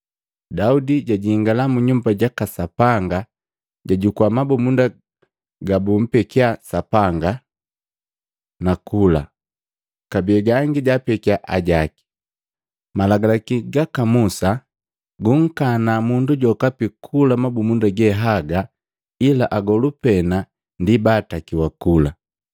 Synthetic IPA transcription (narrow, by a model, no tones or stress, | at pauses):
daudiɟaɟiŋɡalamuɲumbaɟakasapaŋɡa | ɟaɟukwamabumunda | ɡabum̩pɛkiasapaŋɡa | nakula̰ | kabiɛɡaŋɡiɟapɛkiaʔaɟaki̥ | malaɡalakiɡakamusa | ɡuŋ̩kanamunduɟɔkapikʰulamabumundaɡɛɦaɡa | ilaʔaɡɔlupɛna | ndibatakiwakula